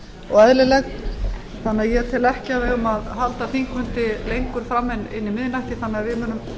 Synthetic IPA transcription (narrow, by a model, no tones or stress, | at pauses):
ɔɣaðlɪlɛɣ | θanːaðjɛt̪ʰɪlɛhcɪavɛɣʏmaðɦalt̪aθiŋkvʏnt̪ɪlejŋkʏɾ̥fɾamːɛnːɪnːimɪðnajhc̪ɪθanːɪavɪmʏnʏm